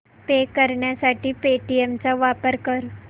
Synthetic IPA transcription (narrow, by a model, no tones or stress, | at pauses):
p̪ekəɾɳjasaʈiːpeʈiemt͡saʋapəɾkəɾ